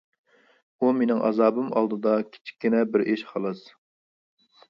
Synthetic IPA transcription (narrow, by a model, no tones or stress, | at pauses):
umenɪŋʔɑ̰zɑːbɨmɑ̰lˠd̪ɨd̪ɑkʲʰi̥t͡ʃʰi̥kʲːinɛbɪɾʔeʃqʰɑlˠɨz